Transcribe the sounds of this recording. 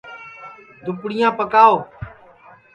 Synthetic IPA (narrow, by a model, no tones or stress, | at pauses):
d̪ʊpɽɪjãːpəkaːoː